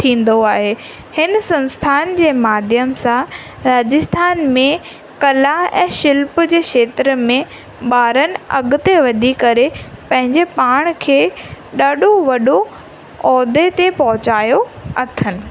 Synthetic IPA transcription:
t̪ʰĩːn̆d̪oaːɦeː | hɪnsɐ̃nst̪ʰaːnd͡ʑeːmaːd̪ʱjəmsã | ɾaːd͡ʑɪst̪ʰaːnmẽ | kɐlaɛ̰̃ːʃɪlpd͡ʑeːkʃeːt̪ɾəmẽ | ɓaːɾənɪ̆ɐ̰ɡʊt̪eʋɐd̪ʱikɐɾepɐ̃ɦɪ̃ɲd͡ʑepaːɽ̃kʰeːɗaːɗʱoʋɐɗo | ɔːd̪ʱet̪epɐɦʊt͡ɕaːjoɐt̪ʰənɪ̆

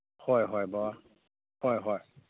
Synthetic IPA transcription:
hɔjɦɔjbaa | hɔjɦɔj

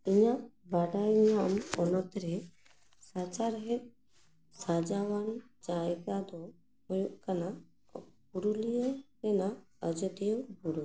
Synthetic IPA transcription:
iɲaʔbaɖajɲamɔnɔt̪ɾɛ | sat͡ʃaɾɦɛt̪̚ | sad͡ʒawant͡ʃaɛkad̪ɔ | hojuʔkana | kuɾulijɔɾɛna | əd͡ʒɔt̪ijɔŋbuɾu

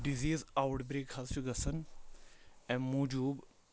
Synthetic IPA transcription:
ɖiziːzawʈbɾeːkhɐzt͡ʃʰuɡɐsən | ɛ̃ːmuːd͡ʒuːb

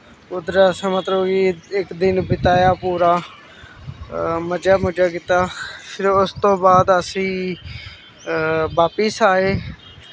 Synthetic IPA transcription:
ʊd̪əɾasãːmət̪ləbiɪkd̪ɪnbɪt̪aːjaːpuːɾaː | məd͡ʒaːmʊd͡ʒaːkiːt̪aːpʰɪɾʊst̪õːbaːd̪əsĩː | baːpəsaːeː

